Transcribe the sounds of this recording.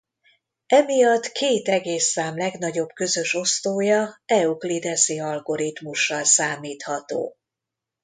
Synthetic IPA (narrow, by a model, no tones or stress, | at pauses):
ɛmijɒt̪kʰeːt̪ɛɡeːsːaːmlɛɡn̪ɒɟo̞b̥kø̞zø̞ʃo̞st̪oːjɒɛuklid̪ɛsiɒlɡo̞ɾit̪muʃːɒlsaːmiːt̪hɒt̪o̰ː